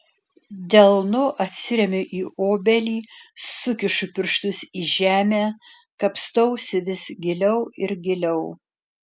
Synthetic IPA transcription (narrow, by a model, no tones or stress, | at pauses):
d̪ʲɛlˠnʊʔɐt̪ʲsʲɪɾʲɛmʲɪʔiːoːbʲɛlʲiːsʊkʲɪʃʊpʲɪɾʃt̪ʊsiːʒʲæːmʲæː | kɐpst̪ɔʊsʲɪʋʲɪsɡʲɪlʲɛʊɪɾɡʲɪlʲɛʊ